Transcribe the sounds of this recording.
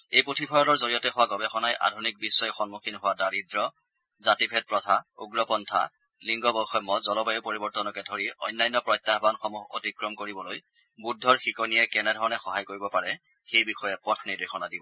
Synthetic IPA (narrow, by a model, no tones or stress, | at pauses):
ejpotʰipʰɔjɔlɔɹzoɹijɔtɛɦʊwaɡɔbɛxɔnajʔa̰dʱunik̚bisːɔjxɔnmukʰinɦʊwadaɹidɹɔ | zatipʰɛt̚pɹɔtʰauɡɹɔpɔntʰa̰ | liŋɡɔbɔxɔjmːɔzɔlɔbajupoɹibɔɹtɔnɔkɛdʱoɹiɔ̰jnːajnːɔpɹɔjtːaɦbanxɔmuɦo̰tikɹɔmkoɹibɔloj | budʱːɔɹxikɔnijɛkɛnɛdʱɔɹɔnɛxɔɦajkoɹibɔpaɹɛ | xejbixɔjɛpɔtʰniɹdixɔnadibɔ